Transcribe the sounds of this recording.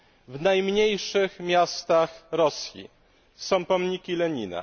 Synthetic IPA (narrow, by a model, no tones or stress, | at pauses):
vnajmɲejʂɘxmʲjast̪axɾɔsʲjḭ | sɔ̃w̃pɔmɲikʲilɛɲina̰